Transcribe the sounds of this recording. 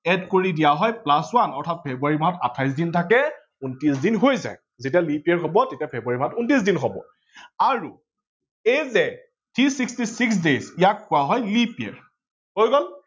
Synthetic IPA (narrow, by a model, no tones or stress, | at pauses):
ɛdkoɹidijaɦɔjplaswanɔɹtʰat̚pʰebuaɹimaɦɔtatʰajs̬dintʰakɛ | untisdinɦojza̰j | zetialipiɛɹkɔbɔtetijapʰebuaɹimaɦɔtuntis̬dinɦɔbɔ̰ | aɹu | ejzɛ | tʰisikstisiksdezijakʰːʊwaɦɔjlipiɛ̰ɹ | hojɡɔl